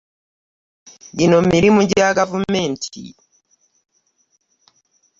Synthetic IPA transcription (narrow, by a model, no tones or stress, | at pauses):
ɡinomiɾimuɟaɡavumeːntʰḭ